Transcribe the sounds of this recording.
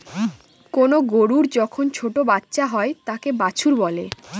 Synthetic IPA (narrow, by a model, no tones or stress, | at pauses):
konoɡoɾuɾd͡ʑɔkʰont͡ɕʰoʈobatːɕaɦɔet̪akebat͡ɕʰuɾbɔle